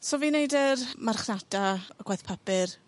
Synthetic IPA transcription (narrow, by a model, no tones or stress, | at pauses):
soviːnejdərmarχnad̥aɡwajθpʰapɪr